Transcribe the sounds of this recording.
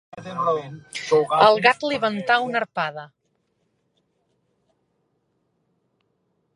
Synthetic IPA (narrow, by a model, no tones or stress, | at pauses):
əlˠɣat̪liβənt̪aunəɾpaðə